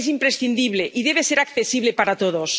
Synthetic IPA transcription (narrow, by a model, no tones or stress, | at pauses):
s̬impɾesθind̪iβleʔiðeβ̞eseɾakθesiβlepaɾat̪oð̞os